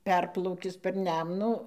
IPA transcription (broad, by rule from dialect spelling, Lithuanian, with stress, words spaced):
ˈpʲɛrplˠɐʊkʲɪs pʲɛr ˈnʲɛmnuː